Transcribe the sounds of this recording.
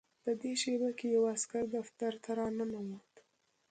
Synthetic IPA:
pəd̪eʃebakejawaskaɾd̪aft̪aɾt̪ʰaɾɑnanamot̪

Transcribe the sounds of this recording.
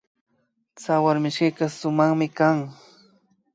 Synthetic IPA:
t͡sawaɾmɪʃkikasʊmaχmɪkaŋ

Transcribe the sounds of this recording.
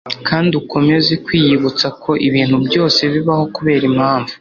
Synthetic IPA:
kʰaːndiuko̞me̞zekwiːjiβut͡sakʰo̞ʔiβiːn̥hubjo̞ːse̞βiβaho̞kuβe̞ːɾimhaːɱvu̥

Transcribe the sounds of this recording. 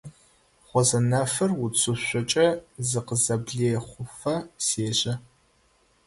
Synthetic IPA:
χʷɔzɐnɐfɐrwʊt͡sʰʼʊɕʷɔt͡ʃʼɐzɨqəzɐbɮeːχʷʊfɐseːɕɐ

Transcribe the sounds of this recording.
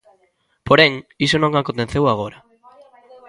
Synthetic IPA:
poɾeŋisonõŋakont̪ẽθewaɣoɾa

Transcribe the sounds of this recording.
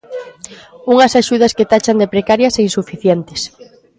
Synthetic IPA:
uŋɐsaʃuð̞ɐsket̪at͡ʃand̪epɾekaɾjɐseinsufiθjɛnt̪ɪ̥s

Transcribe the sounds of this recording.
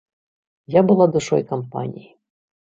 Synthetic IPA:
jabɨlˠad̪uʂɔ̰jkɐmpa̰nʲḭji

